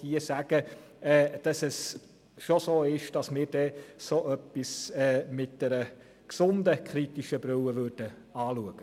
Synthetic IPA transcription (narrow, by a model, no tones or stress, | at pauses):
d̥iəsæɡ̥ə | ɛːd̥ɑsɛs | ʃosoːɪʃd̥ɑsmɪːɾd̥ɛsoʔœpːisɛːmɪt̚d̥ɛɾə | ksʊndəkχɾitiʃəbɾʏwəʋøɾd̥ə | ɑːluəɡ̥ə